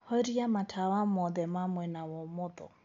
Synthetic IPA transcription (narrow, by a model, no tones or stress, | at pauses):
hɔɾiamatʰawamɔðɛmamwɛnawɔmʊðɔ̰